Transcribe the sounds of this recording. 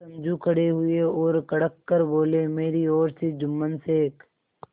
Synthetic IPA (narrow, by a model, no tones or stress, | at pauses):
ɐmd͡ʒukʰəɽeɦʊeɔːɾkɐɽəkːəɾboːlemeːɾiɔːɾsed͡ʒʊmːənsek